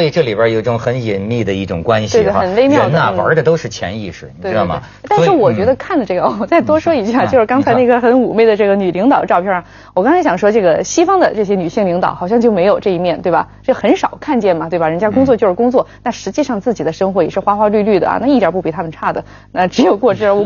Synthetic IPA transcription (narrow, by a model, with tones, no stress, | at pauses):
ɔ˥i˨˩ʈ͡ʂɤ˥˩li˨˩bjə˧˥jo˨˩ʊi˥˩ʈ͡ʂʊ˨˩ŋxə˧˥ni˨˩nmi˥˩d̪ə˩i˥˩ʈ͡ʂʊ̰˨˩ŋkwa˦˥nɕie˥˧t̪ə˨˩nle˥˧ɪmjɑ˥ə˧˥nɐ˧d̪ə̰˞˧˥d̪ə˧t̪o˥ʊʂɻ̩˥˩t͡ɕʰjɛ̰˧˥ni˥˧ʂɻ̩˥˩˨we˥˧˥ɑ̰˥˧˩m̰˧˩˥t̪a˥˧ʂɻ̩˥˩wɔ˨˩t͡ɕɥɛ˧˥d̪ə˧kʰa˥˩nlə˩ʈ͡ʂɤ˥˩ɡə˧˥˧ɔ˨˩t͡sa˥˩ɪt̪̬wɔ˥ʂwɔ˥i˧˥t͡ɕja˥˩t͡ɕjo˥˧ʊʂ̩ɻ̩˥˧kɑ˥ŋt͡sʰa˧˥ɪ˥na˥˩kʰə˥xə˧˥nu˨˩me˥˧ɪd̪ə˩ʈ͡ʂɤ˥˩ɡə˩ny˨˩li˧˥ŋt̪ɑ˨˩ʊə˦ʈ͡ʂɑ˥˧ʊpʰjɛ˥˩ | wɔ˨˩kɑ˥ŋt͡sʰa˧˥ɪɕɑ˨˩ŋʂwɔ˥ʈ͡ʂɤ˥˩ɡə˩ɕi˥fɑ˥ŋd̪ə˨ʈ͡ʂɤ˥˩ɕ̬jɛ˥ny˨˩ɕi˥˩ŋli˧˥ŋt̪ɑ˨˧˦ʊxɑ˨˩ʊɕjɑ˥˧ŋt͡ɕjo˥˩ʊme˧˥ɪjo˨˩ʊʈ͡ʂɤ˥˧i˥˩mjɛ˥˩nt̪we˥˩ɪbɐ̰˩ʈ͡ʂɤ˥˩ɡxə˧˥nʂɑ˨˩ʊkʰa˥˧nt͡ɕjɛ˥˩nmɐ˩t̪we˥˩ɪbɐ˩ɻə˧˥nt͡ɕja˥kʊ˥ŋt͡swɔ˥˧t͡ɕjʂɻ̩˥˩kʊ˥ŋt͡swɔ˥˩na˥˩ʂɻ̩˧˥t͡ɕi˥˧ʂɑ˥˧ŋt͡sɹ̩˥˩t͡ɕi˨˩d̪ə˦ʂɤ˥ŋxwɔ˧˥jɛ˨˩ʂɻ̩˥˩xwa˥xwa˥ly˥˧ly˥˩d̪ə̰˩ɐ̰˩na˥˧i˥˩t̪ja˧˥pu˥˩pi˧˥t̪ʰa˥mə˨nʈ͡ʂʰa˥˩d̪ə˩ | na˥˩ʈ͡ʂɻ̩˧˥jo˨˩ʊkwɔ˥˧ʈ͡ʂɻ̩˥˧ə˞˧˥˧